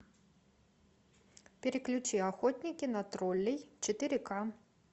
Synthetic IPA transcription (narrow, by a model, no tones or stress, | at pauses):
pʲɛɾɨklʲut͡ʃiaxɔt̪ʲnʲikʲinɐt̪ɾɔlʲːɛjt͡ʃɛt̪ɨɾɨka